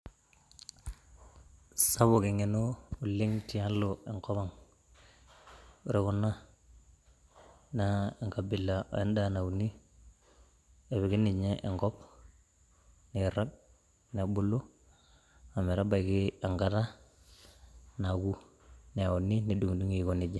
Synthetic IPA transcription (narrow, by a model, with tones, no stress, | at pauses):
sa˦βo˨ki˨ŋe˨no˦u˨lːi˦ŋti˨ja˦lːo˨e˨ŋko˦βa˨ŋ | ɾe˨ku˦nːa˦ | nae˨ŋka˨bi˨lːa̰˨e˦nda˦na˨u˨ni˦ | e˨βi˨ɡi˦ni˨ɲe˦ʔeŋkɔ˦p̚ | ni˨ɾa˦k̚ | ne˨bu˦lːu˦ | a˨me˨ɾa˦ba˨iki˦aŋkata˦ | naɡu˦ | ni˨a˨u˨nːini˨du˨ŋdu˦ŋikoni˨d͡ʒe˨